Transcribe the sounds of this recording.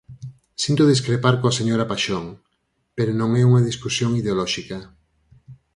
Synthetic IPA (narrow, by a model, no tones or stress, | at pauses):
sint̪oðiskɾepaɾkoaseɲoɾapaʃoŋ | peɾonõŋɛuŋaðiskusjoŋiðeolɔʃikɐ